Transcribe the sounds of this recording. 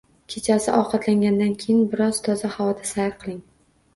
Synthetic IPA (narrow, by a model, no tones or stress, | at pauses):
kʲʰet͡ʃʰasɪʔɒqʰɑt̪laŋɡʲand̪ankʲʰejɪnbɪɾɒz̥t̪ʰɒzahavɒd̪asajɾqʰɨlˠɪŋ